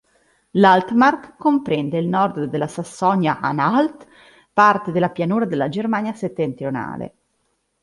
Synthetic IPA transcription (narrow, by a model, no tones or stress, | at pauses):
lalt̪markkːompɾɛnd̪eilnɔrd̪d̪elːasasːɔnjaʔa̰nalt̪ | part̪ed̪elːapjanuːɾad̪elːad͡ʒermaːnjaset̪ːent̪ɾijona̰ːlḛ